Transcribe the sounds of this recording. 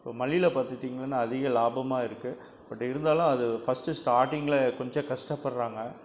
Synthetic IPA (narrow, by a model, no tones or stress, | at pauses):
ɪpːoːmɐlɪɪlɐpaːɾt̪ɯʈːiːŋɡɐlɐnːaːðɪɣɐlaːbɐmaːɪɾɯkːɯ | pɐʈːɪɾɯnd̪aːlʊ̃ɐðɯfɐsʈɯsʈaːɾʈɪŋɡɐɭɛkɔɲd͡ʒɐ̃kɐʂʈɐpːɐɽɾaːŋɡɐ